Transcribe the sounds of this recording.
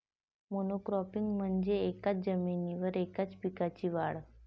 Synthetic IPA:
monokɾɔpiŋɡm̤əɳd͡ʑeːkat͡sd͡zəminiʋəɾekat͡spikat͡ɕiʋaɭ

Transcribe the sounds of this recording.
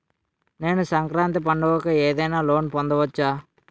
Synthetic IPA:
ne̞ːnusɐŋkɾaːnt̪ipɐɳɖɐʋɔkɐeːd̪ɐjnaːlo̞ːnpond̪ɐʋɐt͡ʃːaː

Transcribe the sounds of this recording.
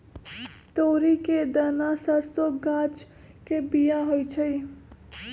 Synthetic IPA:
t̪oɾiked̪ənasəɾsoɡat͡ʃ | kebijaɦojt͡ʃʰəj

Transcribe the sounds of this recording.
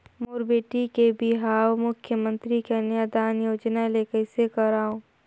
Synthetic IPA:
moːɾbeːʈikebʱiɦaːwmʊkʰːjəmə̃nt̪ɾikenjad̪aːnjoːd͡ʒnalekəɪsekɐɾaːõː

